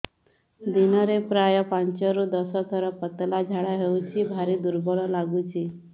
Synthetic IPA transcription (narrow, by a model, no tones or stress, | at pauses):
d̪inɔɾepɾajɔpãɲt͡ʃɔɾud̪ɔsɔt̪ʰəɾɔpət̪lad͡ʒʱaɽaɦewt͡ɕʰibʱaɾid̪uɾbɔɭɔlaɡut͡ʃi